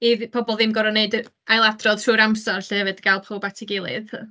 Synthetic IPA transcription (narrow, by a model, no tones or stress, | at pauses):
iðpʰɔbɔlˠðɪmɡɔɾɔneɨd | ajlˠadrɔðtʰruːɾamsɔrɬɛhɛvɨd̥ɡ̥alˠpʰowbatʰɪɡɪlˠɨð